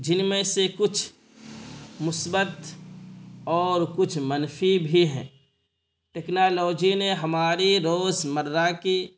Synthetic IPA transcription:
d͡ʒɪnmẽsekʊt͡ʃʰ | mʊsbət̪ | ɔːɾkʊt͡ʃʰmənfibʱiɦɛ̰̃ː | ʈeːknaːlɔːd͡ʒineɦɐmaːɾiɾoːzməɾɾaki

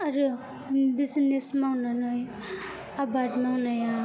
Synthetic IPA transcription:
aɾu | biznesmawnanɔj | abadmawnaja

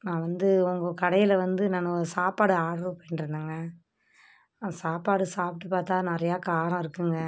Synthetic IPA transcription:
nãːʋɐnd̪ɯʊŋɡɐkɐɽɐjɪlɐʋɐnd̪ɯnɐnɯsaːpaːɽɯaːɽɾopoːɪnɪɾɯnd̪ɯːŋɡɐ | asaːpaːɽɯsaːpɪʈːɯpaːɾt̪aːnɪɾɐjaːkaːɐɾɐ̃ɪɾɯkːɯŋɡɐ

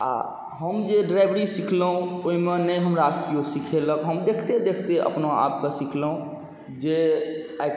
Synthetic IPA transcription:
a̰ | ɦəmd͡ʒeɖɾaɪbəɾisikʰləɦũoɦimenəjɦəmɾakkiosikʰeləkɦəmd̪ekʰt̪ed̪ekʰt̪eʔə̰pnoa̰p̚kesikʰləɦũ | d͡ʒea

